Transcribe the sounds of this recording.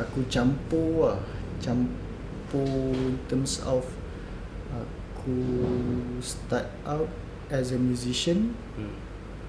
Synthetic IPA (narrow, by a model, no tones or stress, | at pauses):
akut͡ʃãmpoa | t͡ʃãm | poĩnt̪ə̃msɔf | a | kʰu | stat̚ | awt̚ | ɛsəmjuziʃə̃n